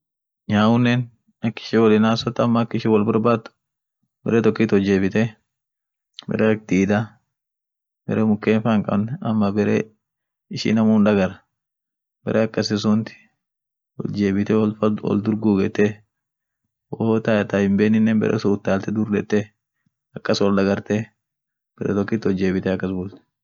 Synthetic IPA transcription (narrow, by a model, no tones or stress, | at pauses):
ɲaːʊnːɛn | ɐkːɪ̥ʃɪwɔlɪnaːsɔt̪ːɐɐmːɐkːɪʃɪwɐlbɐɾbaːʊ̥ | b̥ɛɾeːt̪ɔkːiːt̪ɔd͡ʒeːbɪt̪ɛ | bɛ̰ɾʔeːɐk̚d̪iːd̪a | bɛ̰ɾeːmʊkːeːnfaːŋkʼɐ̰bnɛɐmːɐbɛɾḛː | ɪʃḭːnɐmuːnᶑ̪ɐɡɐɾɐ | b̥ɛɾʔeːɐkːɐsɪs̬unt̪ɪ̥ | wɔ̰ld͡ʒe̞ːbɪt̪ɛwɔ̰ld̪ʊɾɡuːɡɛt̪ːe | woːt̪ajt̪ahɪmbeːnːɪnːɛnbɛ̰ɾʔḛːsʊʊt̪ːaːlt̪ɛd̪ʊɾd̪ɛt̪ːe | ɐkːɐswɔld̪ɐɡɐɾt̪e | b̥ɛɾḛːt̪ɔkːiːt̪ɔd͡ʒːe̞ːbɪt̪ɛɐkːɐsbuːlt̪ɛ̥